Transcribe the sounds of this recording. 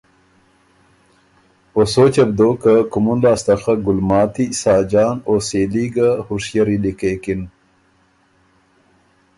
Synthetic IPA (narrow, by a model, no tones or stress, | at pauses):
osoːt͡ɕɐbd̪oːkakumunlɑːst̪ɐxaɡʊlmɑːt̪isɑːd͡ʒɑːnoːseːliɡahuʂjɐɾilikekin